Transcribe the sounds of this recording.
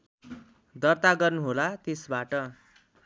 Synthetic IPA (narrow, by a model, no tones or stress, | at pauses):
d̪ʌrt̪aɡʌrnuɦolat̪esbaʈʌ